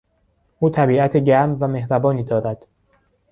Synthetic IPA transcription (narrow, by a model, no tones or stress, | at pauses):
ʔuːt̪ʰæbiːʔæt̪ʰeɟæɾmvæme̞hɾæbɒːniːd̪ɒːɾæd̪̥